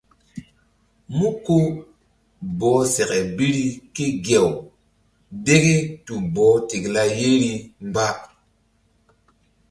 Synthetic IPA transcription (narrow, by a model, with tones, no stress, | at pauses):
mu˦ko˦ | bɔ˨˦se˨kɛ˨bi˦ɾi˦ke˦ɡe˨w | de˦ɡe˦tu˨bɔ˨˦ti˨kla˦je˦ɾi˦mba˦